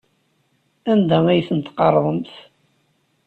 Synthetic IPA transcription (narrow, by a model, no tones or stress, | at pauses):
ænd̪æmæjθənt̪qɑrˤðˤəmθ